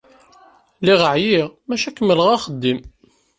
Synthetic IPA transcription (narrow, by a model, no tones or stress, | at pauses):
liʁəʕjiʁmæʃækːəməlʁaχəd̪ːim